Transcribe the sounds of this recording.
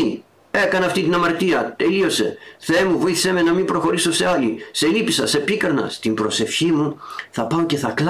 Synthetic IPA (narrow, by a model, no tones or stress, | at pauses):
i | e̞kɐnɐft̪it̪inɐmɐɾt̪iɐt̪e̞lio̞se̞̰θemuvo̞iθi̥semenɐmimbɾo̞xo̞ɾiso̞se̞ɐlise̞lipisɐse̞pikɐɾnɐ̰st̪imbɾo̞se̞fçimuθɐpɐoce̞θɐkl